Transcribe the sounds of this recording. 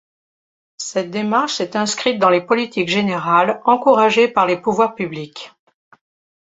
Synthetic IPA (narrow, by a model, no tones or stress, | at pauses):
sɛt̪̚d̪emaʁʃsɛt̪ɛ̃skχit̪̚d̪ɑ̃lepɔlit̪ikʒeneʁalɑ̃kuʁaʒepaʁlepuvwaʁpyblik